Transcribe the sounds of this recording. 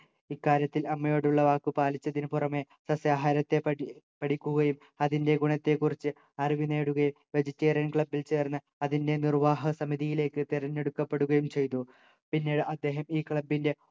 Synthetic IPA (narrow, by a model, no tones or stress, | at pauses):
ikːaːɾjɐt̪ːilɐmːɐjo̞ːɽuɭːɐʋaːkːɨpaːlit͡ɕːɐðinpurɐme̞ | sɐsjaːɦaːɾɐt̪ːe̞pɐ | pɐɽikʲːuɣɐjum | ɐðinde̞ɡuɳɐt̪ːe̞kːurit͡ɕːɨ | ɐriʋine̞ːɽuɣɐjum | ʋe̞d͡ʑitːeːrjɐnkɭɐbːilt͡ɕe̞ːrnːɨ | ɐðinde̞nirʋaːɦɐsɐmiðijile̞ːkːɨt̪iɾɐnːe̞ɽukːɐpːe̞ɽuɣɐjumt͡ɕe̞jt̪u | pinːeːɽɨʔɐd̪ːe̞ːɦɐmiːkɭɐbːinde̞